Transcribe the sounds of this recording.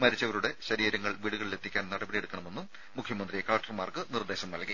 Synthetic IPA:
mɐɾit͡ɕːɐʋɐɾuɽe̞ɕɐɾiːɾɐŋːɐɭʋiːɽuɣɐɭle̞t̪ʰːikʲːaːnnɐɽɐbɐɽije̞ɽukːɐɳɐme̞nːumː | ukʰjɐmɐnd̪rijekaːɐk̚ʈːɐrmaːrkɨnird̪eːɕɐmnɐlki

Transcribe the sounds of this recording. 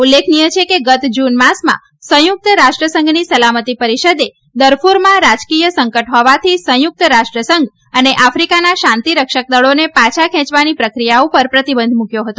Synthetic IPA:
ulːekʰnijət͡ʃʰekeɡət̪d͡ʒunmasmã̰ | sə̃jʊk̚t̪əɾaʃʈɾəsəŋɡnisəlamət̪ipəɾiʃəd̪e | d̪əɾpuɾmãɾad͡ʒkijəsəŋkəʈɦɔʋat̪ʰisə̃jʊk̚t̪ɾaʃʈɾəsəŋɡ | əneʔafɾikanaʃãnt̪iɾəkʃək̚d̪əɭonepat͡ʃʰakʰɛ̃t͡ʃʋanipɾəkɾijaõpəɾpɾət̪ibə̃nd̪ʱmũkjoɦət̪o

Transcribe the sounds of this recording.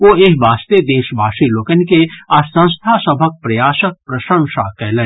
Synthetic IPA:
ʋoːeɦbʱaːst̪ed̪eːʃbʱaːʃiloːkənkeɐsə̃nst̪ʰasɐbʱək̚pɾɐjaːʃək̚pɾɐʃə̃ŋʃakɛːlẽ

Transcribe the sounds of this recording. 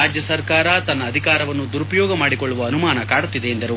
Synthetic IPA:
aːd͡ʒjɐsɐɾkaːɾɐt̪ɐnːɐːd̪ʱikaːɾɐʋɐnːud̪uɾupɐjɔːɡɐmaːɽikoɭːuʋɐɐnumaːnɐkaːɽut̪ːid̪e̞ːnd̪ɐɾu

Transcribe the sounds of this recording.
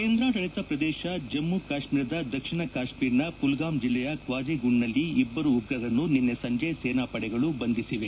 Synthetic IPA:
keːnd̪ɾaːɾɐɭit̪ɐpɾɐd̪ɛːʃɐd͡ʒɐmːukaːʃmiːɾɐd̪ɐd̪ɐkʂiɳɐkaːʂmiːɾnɐpulɡaːmd͡ʒilːɛjɐkʋaːd͡ʒiɡuɳːɐlːiːbːɐɾuːɡɾɐd̪ɐnːuninːesɐɲd͡ʒɐjɐseːnaːpɐɽɛɡɐɭubɐnd̪isiʋe

